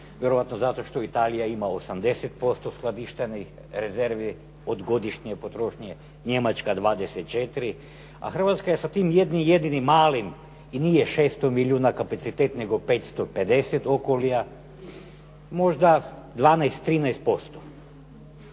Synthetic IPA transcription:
ʋjeɾoʋat̪nozat̪o̞ʃt̪o̞it̪aːlijaimaosamd̪e̞set̪̚po̞st̪osklˠad̪iʃt̪eni | ɾeze̞ɾʋi | od̪ɡo̞d̪iʃɲepo̞t̪ɾo̞ʃɲe | ɲe̞mat͡ʃkad̪ʋaːd̪eset̪̚t͡ʃet̪iɾi | a̰xr̩ʋat̪skajesat̪iːmjed̪nimje̞d̪inimaːlim | inijeʃeːst̪omilʲuːnakapat̪sit̪et̪ne̞ɡo̞peːt̪st̪oped̪e̞set̪o̞kolija | mo̞ʒd̪ad̪ʋaːnajst̪ːɾiːnajst̪̚po̞st̪o

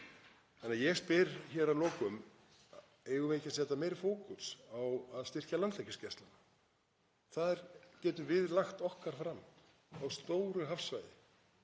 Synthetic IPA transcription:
hanːajɛɣspɪɾçɛːɾalɔːkʏm | eːjɣʏveːcasjɛːt̪ameːjɾɪfoːwkʏsawaðst̪ɪr̥calant̪lejcːʏscɛst̪lana | θaðɪɾ̥cɛːt̪ʏvɪðlaxt̪ɔhkaɾ̥fɾamː | awst̪oːwɾʏɦafsvajðɪ̰

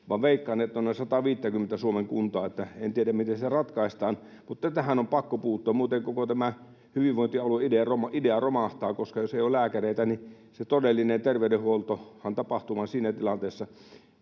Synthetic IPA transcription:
ʋɑʋʋeˑikːɑnːˑet̪ːonːesɑt̪ɑʋiːt̪ːækymːent̪æsuomeŋkunt̪ɑːet̪ːæent̪ieɾæmmit̪esit̪ærɑt̪kɑˑist̪ɑːn | mut̪ːɑt̪æhænompɑkːopuːt̪ːˑoːmmuːt̪eŋkokot̪æmæ | hyʋiʋʋoˑint̪iɑlueideɑromɑʔideɑromɑht̪ɑːkoskɑjoseijoːlæːkæreit̪æni | set̪odelːinent̪erʋeydeholt̪ohɑnt̪ɑpɑht̪umɑnsiːnæt̪ilɑnt̪eːsːɑ

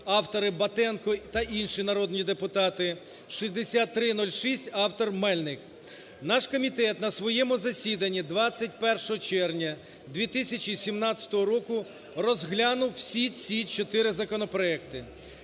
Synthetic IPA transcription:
ɑwt̪ɔɾɪbɐt̪ɛnkɔt̪ɐʔinʃinɐɾɔd̪nʲid̪epʊt̪ɑt̪ɪ | ʃizʲd̪esʲat̪ːɾɪn̪ɔlʲʃisʲtʲɑwt̪ɔrmɛlʲnɪk | nɑʃkɔmʲit̪ɛt̪nɐsʋɔjɛmʊzɐsʲid̪ɐnʲːid̪ʋɑt͡sʲːɐt̚ʲpɛrʃɔɦɔt͡ʃɛrnʲɐ | d̪ʲʋʲit̪ɪsʲɐt͡ʃisʲimnɑt͡sʲɐ̥t̪ɔɦɔɾɔkʊ | rɔzɦlʲɑnʊwsʲit͡sʲit͡ʃɔt̪ɪɾɪzɐkɔnɔpɾɔɛk̚t̪ɪ

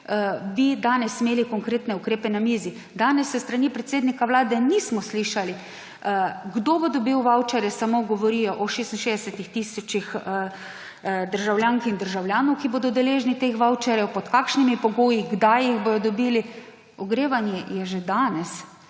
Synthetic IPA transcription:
ʋid̪aːnɛsimeːlikɔŋkɾeːt̪nɛukɾeːpɛnamiːzi | d̪aːnɛsːɛst̪ɾanipɾɛt̪seːd̪nikawlaːd̪ɛnismɔsliʃali | ɡd̪obod̪ɔbiwʋawt͡ʃɛɾjɛsamoɡɔʋɔɾijɔʔɔʃest̪inʃeːzd̪ɛsɛt̪ixt̪iːsɔt͡ʃix | d̪əɾʒawljaːŋkind̪əɾʒawlʲjaːnɔwkiboːd̪ɔd̪ɛleːʒnit̪exʋawt͡ʃɛɾjɛwpɔt̪kaːkʃnimipɔɡoːjiɡd̪ajiɣbojɔd̪ɔbiːli | ɔɡɾeːʋanjɛjɛʒed̪aːnɛs

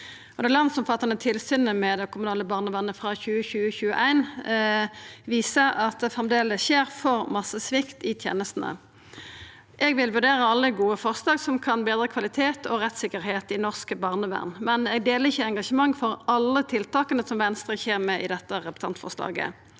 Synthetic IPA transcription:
ɔd̪ɛɪlɑnd̪sɔmfɑt̪ːɑnət̪ʰɪlsyːnəmɛd̪ɛkʊmʉnɑːləbɑːʁnəʋæʁnəfʁɑçʉːəçʉːəçʉːə̰ʔæɪn | ʋiːsəʁɑt̪̚d̪ɛfʁɛmd̪eːləsʃeːʁfɔʁmɑsəsʋɪkt̪ɪt̪ʰjḛːnəst̪n̩ə̰ | ʔɛɡʋɪlʋʉʁd̪eːʁəɑlːəɡuːəfɔʁslɑːɡsɔmkʰɑnbeːd̪ɾəkʰʋɑlɪt̪ʰeːt̪ʰɔʁɛt̪sɪkːəʁheːt̪ɪnɔʁskəbɑːʁnəʋæ̰ʁnmɛnɛɡ̚d̪eːləʁɪçəɛŋɡɑʂəmɑŋːfɔʁɑlːət̪ʰɪlt̪ɑːkənəsɔmʋɛnst̪ʁəçeːʁmɛʔɪd̪ɛt̪ːəʁɛpə̥t̪ʰɑ̰nt̪fɔ̰ʁslɑ̰ːɡə̰

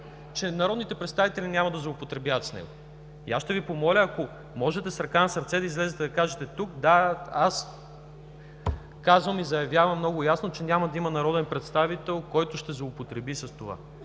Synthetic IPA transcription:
t͡ʃɛnɐɾɔd̪nit̪ɛpɾɛt̪st̪avit̪ɛlʲinʲamɐd̪ɐzlˠoopot̪ɾɛbjavət̪snɛ̰ɡo | ia̰sʃt̪ɛvipomɔlʲəːko | mɔʒɛt̪ɛsɾɐkanɐsɐɾt̪sɛd̪ɐizlɛzɛt̪ɛd̪ɐkaʒɛt̪ɛt̪ukd̪aas | kazvɐmizɐjɐvjavɐmːnɔɡʊjasnot͡ʃɛnʲamɐd̪ɐimɐnɐɾɔd̪ɛnpɾɛt̪st̪avit̪ɛlˠkɔjt̪ʊʃt̪ɛzlˠoopot̪ɾɛbisɐst̪ova̰

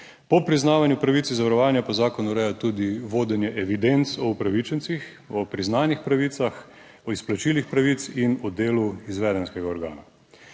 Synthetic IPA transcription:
pɔpɾiznaːʋanjupɾaʋit̪sizaʋaɾɔʋaːnjapɔzaːkɔnuɾɛjat̪ud̪iʋoːd̪ɛnjɛʔɛʋid̪ent̪sɔupɾaʋit͡ʃɛnsix | ɔpɾiznaːnixpɾaʋiːt̪sax | ɔisplat͡ʃiːlixpɾaʋit̪sinɔd̪eːluizʋɛːd̪ɛnskɛɡaɔɾɡa̰ːna

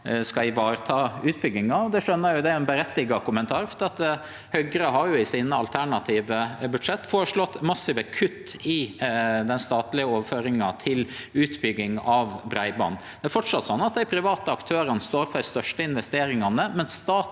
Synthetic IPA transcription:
skɑɪʋɑːɾət̪ʰɑːʉːt̪bʏɡːɪŋɑɔd̪ɛʂœnːəɾjʊd̪ɛɛnbəɾɛt̪ːɪɡɑkʊmənt̪ʰɑːɾfɔd̪ɪːɑt̪ | hœɡəɾəɦɑɾjʊɪsiːnəɑlt̪ʰæɳɑt̪ʰiːʋəbʉd̪ʂɛt̪ːfoːɾəʂlɔt̪ːmɑsɪʋəkʰʉt̪ːɪd̪ɛnst̪ɑːt̪lɪəoːʋəɾføːɾɪŋɑt̪ʰɪlʉːt̪bʏɡːɪŋɑʋbɾæɪbɑ̰nd̪ɛæɾfɔʈʂɑt̪sɔnːɑt̪̚d̪æɪpʰɾɪʋɑːt̪əɑkt̪ʰøːɾənst̪oːɾpʰɔd̪ɛst̪œʂʈəɪnʋɛst̪eːɾɪŋɑnəmɛnsst̪ɑː

